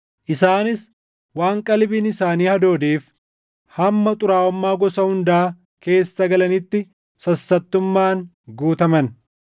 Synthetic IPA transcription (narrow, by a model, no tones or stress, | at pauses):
ʔɪsaːnɪs | waːŋkʼɐlbiːnɪsaːniːhɐd̪o̞ːd̪iːf | hɐmːɐt̪ʼʊɾaːɔmːaːɡɔsɐhʊnd̪ɐʔaː | ke̞ːsːɐɡɐlɐnɪt̪ːɪ | sɐsːɐt̪ːʊmːaːŋ | ɡuːt̪ɐmɐn